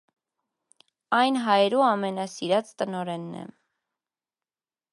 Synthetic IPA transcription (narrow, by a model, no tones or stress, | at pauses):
ɑjnɦɑjɛɾuɑmɛnɑsiɾɑt͡st̪ənɔɾɛnːɛ̰